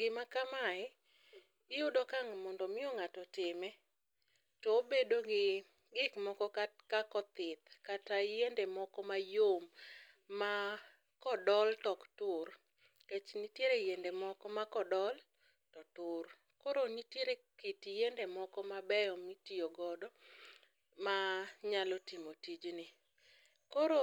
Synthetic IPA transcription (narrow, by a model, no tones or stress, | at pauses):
ɡɪmakamaɛ | ɪjʊdɔkaŋmɔndɔmɪɔŋatɔtɪmɛ | tɔobedoɡɪ | ɡɪkmɔkɔkakakɔt̪ɪt̪katajendemɔkɔmajomː | a | kɔdɔltɔktʊr | ket͡ʃnitjeɾejendemɔkɔmakɔdɔl | tɔtʊr | kɔɾonitjeɾekitjendemɔkɔmabɛjɔmitioɡɔdɔ | maɲalɔtimotid͡ʒnɪ | kɔɾo